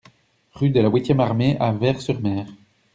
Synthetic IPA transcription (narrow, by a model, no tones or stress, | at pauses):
ʁyd̪əlawit̪jɛmaʁmeʔavɛʁsyʁmɛːʁ